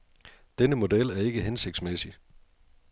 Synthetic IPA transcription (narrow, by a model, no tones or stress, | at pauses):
d̥enəmo̝del̰æɐe̝ɡ̥əɦense̝ɡ̥̚d̥smesi